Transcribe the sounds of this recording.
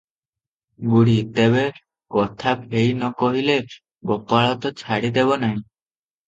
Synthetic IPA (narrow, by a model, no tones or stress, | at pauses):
ɡuɽit̪ebe | kɔt̪ʰabɦejnɔkɔɦile | ɡɔpaɭɔt̪ɔt͡ʃʰaɽid̪ebɔnaɦĩ